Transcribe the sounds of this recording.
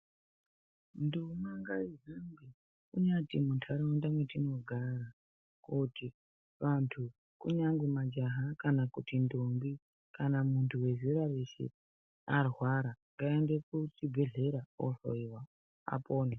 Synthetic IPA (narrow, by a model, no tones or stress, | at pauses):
ndumaŋɡaizamɡi | kuɲatimuntʰaɾawendamwe̞tino̞ɡʱara | kuti | ʋantʰu | kuɲaŋɡwemad͡ʒaɦakanakutindombi | kanamuntʰuwe̞ziɾarisḭ | arwaɾaŋɡaendekut͡sibʱe̞ɮe̞ɾao̰ɬo̰iwa | a̰poːne